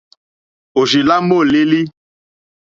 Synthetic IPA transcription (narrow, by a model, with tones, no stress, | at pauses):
o˨ʒi˨la˦mo˦˨le˦li˦